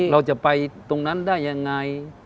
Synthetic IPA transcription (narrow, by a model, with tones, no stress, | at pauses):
ɾa˧wt͡ɕa˨˩ʔpa˧jt̪o˧ŋna˦˥˨ndaː˥˩jːa˧ŋːa˧j